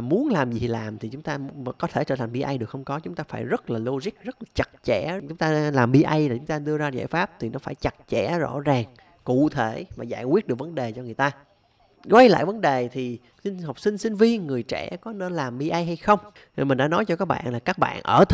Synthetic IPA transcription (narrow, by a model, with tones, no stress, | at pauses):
mu˨˦ənlaː˨˩mzi˨˩laː˨˩mt̪ʰi˨˩t͡ɕʊ˨˦ŋ͡mt̪a̰ː˧˩kɔ˨˦t̪ʰe˧˩t͡ɕəː˧t̪ʰa˨˩ŋ̟ɓi˧ʔa˧jɗɨ˨˩əkxhə˧wŋ͡mkɔ˨˦t͡ɕʊ˨˦ŋ͡mt̪aː˧faː˧˩jzə˦˥t̚laː˨˩lo˧zi˦˥k̚zə˦˥t̚laː˨˩t͡ɕa˨˩t̚t͡ɕɛ̰˧˩t͡ɕʊ˨˦ŋ͡mt̪aː˧laː˨˩mɓi˧ʔə˧jlaː˨˩t͡ɕʊ˨˦ŋ͡mt̪aː˧ɗɨ˧əzaː˧za̰ː˧˨jfaː˦˥p̚t̪ʰi˨˩nɔ˨˦faː˧˩jt͡ɕa˨˩t̚t͡ɕɛ˧˩zɔ̰˧˥zaː˨˩ŋ | kṵ˧˨t̪ʰe˧˩vaː˨˩zaː˧˩jkwi˦˥ət̚ɨ˨˩ək̚və˨˦nɗe˨˩t͡ɕɔ˧ŋɨ˨˩əjt̪aː˧ | kwa˧jla̰ː˧˨jvə˨˦nɗe˨˩t̪ʰi˨˩ | si˧ŋɦa˨˩wk͡p̚sï˧ŋ̟sï˧ŋ̟vi˧ənŋɨ˨˩əjt͡ɕɛ̰˧˩kɔ˨˦˨laː˨˩mɓi˧ʔa˧jɦa˧jxə˧wŋ͡m | mï˨˩ŋ̟ɗa̰ː˧˥nɔ˨˦jt͡ɕɔ˧kaː˦˥k̚ɓa̰ː˧˨nlaː˨˩kaː˦˥k̚ɓa̰ː˧˨nʔəː˧˩t̪ʰ